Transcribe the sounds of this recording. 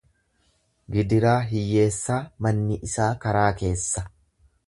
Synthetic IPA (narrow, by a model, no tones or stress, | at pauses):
ɡɪd̪ɪɾaːɦɪjːe̞ːsːaːmɐnːɪʔɪsaːkɐɾaːke̞ːsːɐ